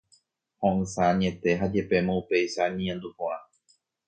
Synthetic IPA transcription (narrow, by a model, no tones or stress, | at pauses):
hõʔɨ̃saɲẽ̞t̪e̞ɦad͡ʒe̞pe̞mõupe̞jʃaɲĩãnd̪upõʔã